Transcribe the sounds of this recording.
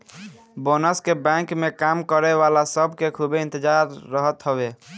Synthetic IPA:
bonəskebɛ̃kmekamkəɾeʋalasəbʱkekʰubeɪ̃nt̪əd͡ʒaɾːəɦət̪ɦəbe

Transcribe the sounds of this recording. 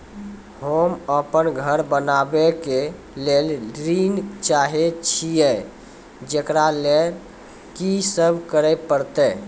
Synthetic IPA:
homəpənɡʱəɾbənabeke | lelɾint͡ʃaɦet͡ʃʰijɛ | d͡ʒekɾalel | kisəbʱkəɾɛpəɾt̪ɛ

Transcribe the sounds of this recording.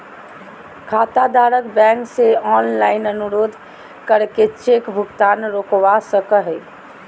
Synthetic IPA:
kʰaːt̪ad̪aːɾəkbɛ̃ːŋkseɔːnlaːɪnənʊɾoːd̪ʱ | kəɾket͡ʃeːkbʱʊɡt̪aːnɾoːkʋasəkəɦɛ

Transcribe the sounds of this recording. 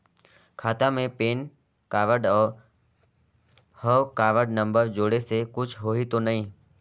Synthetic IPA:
kʰaːt̪amẽpeːn | kaːʋəɖɔːɾ | həʋkaːʋəɖnə̃mbəɾd͡ʒoːɽesekʊt͡ʃʰɦoːit̪onɐɦĩː

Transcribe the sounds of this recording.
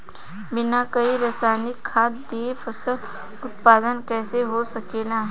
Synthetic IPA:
bɪnakɐiɾɐsaːnɪkʰːaːt̪d̪eːfʰəsə | ʊt̪paːd̪ənkɛːseɦosɐkeːlaː

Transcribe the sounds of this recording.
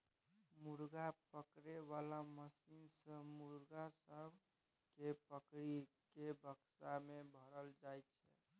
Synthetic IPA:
muɾɡapəkɾeʋalaməsinsə̃muɾɡasəbʱ | kepəkɾi | kebʱəksamebʱəɾəld͡ʒajt̪t͡ʃʰɛ̰

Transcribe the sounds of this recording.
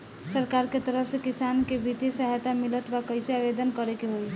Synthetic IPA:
səɾkaɾket̪əɾəpʰsẽkisankebit̪esəɦajt̪amilət̪ʋakəɪseabed̪ənkəɾekeɦoj

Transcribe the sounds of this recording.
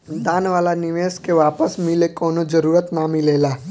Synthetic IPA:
d̪aːnʋaːlanɪʋeːskeʋaːpəsmɪlekoːnod͡ʒəɾuːɾət̪namileːlaː

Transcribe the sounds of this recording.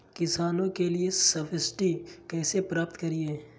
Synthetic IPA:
kɪsaːnõkeliesɐfɪsʈikɛːsepɾaːpt̪kɐɾieː

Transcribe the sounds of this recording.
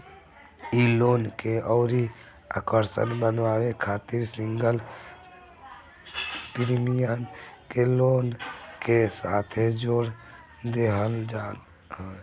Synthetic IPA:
iloːnkeɔːɾi | a̰ːkəɾsə̰nbənʋaːwekʰaːt̪ɪɾsɪ̃ŋɡəl | pɪɾmijankeloːnkesaːt̪ʰed͡ʒoːɾ | d̪eɦəld͡ʒaːn

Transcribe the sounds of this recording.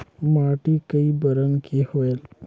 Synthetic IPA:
maʈikəibəɾənkʰihoel

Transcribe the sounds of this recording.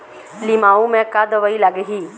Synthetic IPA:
limaːũmẽkad̪əʋəilaɡeɦiː

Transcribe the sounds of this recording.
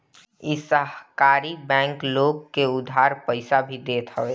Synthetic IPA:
isəɦkaːɾibɛ̃ːŋkloːɡ̚keʊd̪ʱaːɾpəɪsabʱid̪eːt̪ɦəʋeː

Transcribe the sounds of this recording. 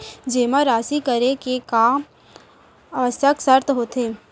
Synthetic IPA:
d͡ʒeːmaɾaːsikəɾekeka | əʋəsjəksəɾt̪ɦoːt̪eː

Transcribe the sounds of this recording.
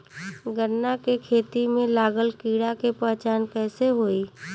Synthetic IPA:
ɡəɾːakekʰeːt̪imẽlaːɡəlkiːɽakepɛɦt͡ʃaːnkɛːseɦoːi

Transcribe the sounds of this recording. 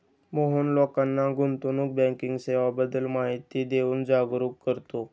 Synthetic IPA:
moɦunlɔkanːaɡʱunt̪unuːk̚bɛ̃ŋkiŋɡseʋabəd̪əlmaɦit̪id̪euːnd͡zaɡɾuːkːəɾt̪o

